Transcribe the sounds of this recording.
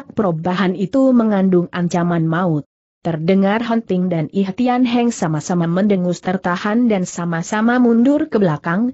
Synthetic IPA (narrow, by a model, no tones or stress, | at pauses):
k̚pəɾobaɦanit̪uməŋandʊŋaɲt͡ʃamanmaʊt̪ː | ərdəŋarɦənt̪ɪŋdaniɦat̪ianɦɛŋsamasamaməndəŋʊst̪ərt̪ahandansamasamamundʊrkəbəlakaŋ